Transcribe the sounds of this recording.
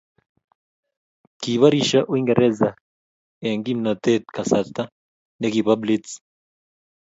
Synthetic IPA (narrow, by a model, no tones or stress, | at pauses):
kiβaɾiʃaʔwiŋɡeɾʔɛza | eŋɡimnat̪et̪kasat̪a | nekiβablit͡s